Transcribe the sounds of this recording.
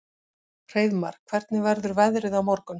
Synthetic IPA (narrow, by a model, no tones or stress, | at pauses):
r̥eːjðma̰ɾ̥kkʰvɛɾt̪nɪvɛɾðʏɾvɛðɾɪðawmɔɾkʏn